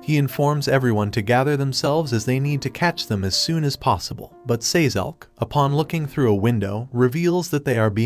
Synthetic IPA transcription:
hiɨ̃ɱfɔɹmzɛvɹiwʌ̃ntʰɨɡæðə˞ðə̃msɛlˠvzɨzðeɪnid̚tʰɨkʰæt͡ʃðə̃mɨz̥sʉ̃nɨz̥pʰɑsəbə̰l̩ˠbʌtseɪzɛ̰lˠkəpʰɑ̃nlʊkɪ̃ŋθɹʉəwɪ̃ndoʊɹɨvilˠzðɨt̪̚ðeɪə˞bi

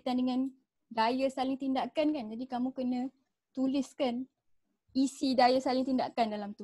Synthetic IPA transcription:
t̪andəŋãn | dajasalɪŋt̪indakankand͡ʒadikamũkənə̃ | t̪ulɪskan | isidajasalɪŋt̪inda̰kandalamt̪u

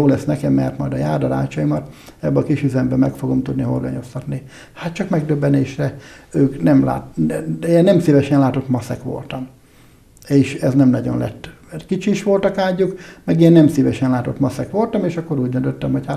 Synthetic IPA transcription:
oːlɛsnɛkɛmːɛ̰rt̪mɒjd̪ɒjaːrd̪ɒɾa̰ːt͡ʃɒjimɒt̪ | ɛbːɛɒkiʃyzɛmbɛmɛkfoɡo̞mt̪ud̪niɦo̞̰rɡɒɲo̞st̪ɒt̪ni | hat̪t͡ʃɒkmɛɡ̚d̪øbːɛneːʃrɛøːknɛmla̰ːt̪enːɛmsivɛʃɛnlaːt̪o̞t̪mɒsɛkʋo̞̰lt̪ɒm | eːʃɛznɛmnɒɟo̞̰nlɛ̰t̪ːmɛrkit͡ʃiːʃʋo̞lt̪ɒkaːɟukmɛɡeːnːɛmsivɛʃɛnlaːt̪o̞t̪mɒsɛkʋo̞lt̪ɒmeːʃɒkːo̞ɾuːɟd̪ønt̪øt̪ːɛmhocha

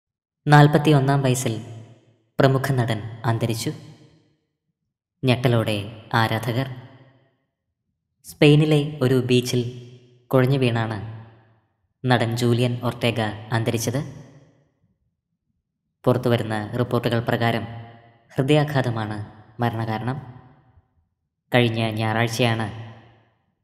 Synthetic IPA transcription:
naːlpɐt̪ːio̞nːaːmʋɐjɐsil | prɐmukʰɐnɐɽɐnaːnd̪ɐɾit͡ɕːu | ɲeʈːɐloːɽe̞aːɾaːd̪ʱɐɣɐr | spe̞jnile̞o̞ɾubiːt͡ɕːil | kuɻɐɲːɨʋiːɳaːɳɨ | nɐɽɐnd͡ʑuːlijɐno̞rte̞ːɡɐːnd̪ɐɾit͡ɕːɐðɨ | purɐt̪ːuʋɐɾunːɐripːoːrʈːuɣɐɭprɐɣaːɾɐm | hrɨd̪ijaːkʰaːd̪ɐmaːɳɨmɐɾɐɳɐɣaːɾɐɳɐm | kɐɻiɲːɐɲaːraːɻt͡ɕːɐjaːɳɨ

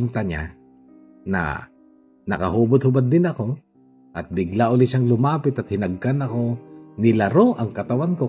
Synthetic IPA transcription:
nt̪ɐɲa̰ | nɐ̰ | nɐ̰kɐhuːbod̪̚hʊbad̪ːɪnɐko̞ | ʔɐt̪̚bɪɡlaʔʊlɪt̪ʃaŋlʊmaːpɪt̪ɐt̪̚hɪnɐɡ̚kanɐko̞nɪlɐɾo̞ʔɐŋkɐt̪ɐwanko̞

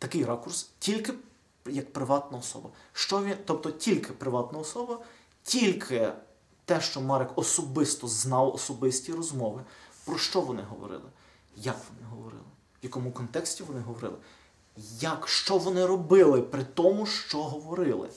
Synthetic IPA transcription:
t̪ɐkɪjɾɑkʊrstʲilʲkɪ | jɐkpɾɪʋɑt̪nɐɔsɔ̰bɐʃt͡ʃɔʋʲit̪ɔp̚t̪ɔtʲilʲkɪpɾɪʋɑt̪nɐɔsɔbɐ | tʲilʲkʰɪ | t̪ɛʃt͡ʃɔmɑɾɛkɔsɔbɪst̪ɔznɑwɔ̰sɔbɪsʲtʲiɾɔzmɔʋɪpɾɔʃt͡ʃɔʋɔnɪ̰ɦɔ̰ʋɔ̰ɾɪ̰lˠɪ | jɐkʋɔnɪɦɔʋɔɾɪ̰lˠɪ | ʋjɐkɔmʊkɔnt̪ɛksʲtʲiʋɔnɪɦɔʋɔɾɪ̰lˠɪ | jɐkʃt͡ʃɔʋɔnɪɾɔbɪlˠɪpɾɪt̪ɔmʊʃt͡ʃɔɦɔʋɔɾɪlˠɪ̰

